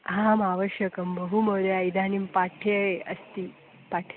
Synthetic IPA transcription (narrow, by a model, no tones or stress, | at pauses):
ɦamaʋəɕjəkəmbəɦuməɾeaid̪ʱanimpaʈʰeeə̰st̪iː | paʈʰ